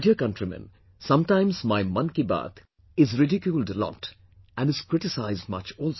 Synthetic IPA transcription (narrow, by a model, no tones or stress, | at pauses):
ɖiəkʌ̃nʈɾimɛ̰̃n | sʌ̃mʈãɪ̃mzmaɪmʌ̃nkiba̰t̪ʰ | ɪzɾɪɖikjulɖlɔ̰t | æ̃nɨz̥kɾɪʈɪsaɪzd̚mʌt͡ʃɔːlˠs